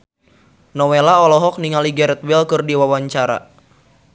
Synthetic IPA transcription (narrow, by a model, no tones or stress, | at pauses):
nɔwelaɔlɔɦɔk̚niŋaliɡɛɾɛt̪̚wɛlkɨrdiwawaɲt͡ʃaɾa̰